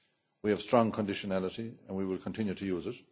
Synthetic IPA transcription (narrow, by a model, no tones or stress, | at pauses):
wiəv̥stɹ̥ɔ̃ŋkʰə̃ndɪʃənælɪɾiə̰̃nwiwɪlˠkʰə̃ntʰɪ̃njutʰɨjuːzɪt